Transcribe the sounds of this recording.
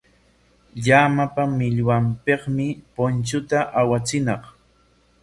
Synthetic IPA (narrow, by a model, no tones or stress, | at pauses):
ʎamapamɪʎwampeqmɪpont͡ʃʊt̪aʔawat͡sɪnɑq